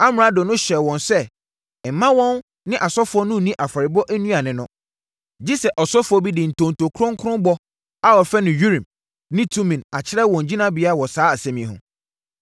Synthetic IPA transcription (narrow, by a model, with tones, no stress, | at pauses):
a˦m˨ɾã˨˦dʊ˨nʊ̃˦ɕɛ˨wɔ̃˨nsɛ˦˨ | m̩˨mã˦wɔ̃˦n | nɪ̃˦ʔa˨sɔ˦fʊ˨˦ɔ˦nʊ̃˦˨nĩ˦ʔa˨fa˨ɾɪ˨bɔ˦ʔæ˦nũ˦a˨nɪ̃˨nʊ̃˦ | d͡ʑi˦sɛ˨ʔɔ˨sɔ˦fʊ˨˦ɔ˦bi˦dɪ˨n̩˨tʰõ˨ntʰo˨kʰʊ˦ɾʊ̃˦ŋ˦kʰʊ˦ʊ̃˦mbɔ˦ | a˨ɔ˨fɛ˦nɪ̃˨ɥu˦ɾĩ˨m | nɪ̃˦tʰũ˦mĩ˨na˨t͡ɕʰɪ˦ɾɛ˦wɔ̃˨n˨d͡ʑi˦nã˦bɪ˨˦a˦˨wɔ˨saː˦a˨sɛ̃˦mĩ˨ɦʊ̰̃˨